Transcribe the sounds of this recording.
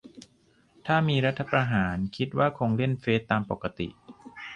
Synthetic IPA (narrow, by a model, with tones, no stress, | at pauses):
t̪ʰaː˥˩miː˧ɾa˦˥t̪ʰːa˧pɾa˧ɦaː˩˦nkʰi˦˥t̪̚waː˥˩kʰoː˧ŋle˥˩nfeː˦˥t̪ːaː˧mpo˨˩ka˧t̪ḭ˨˩ʔ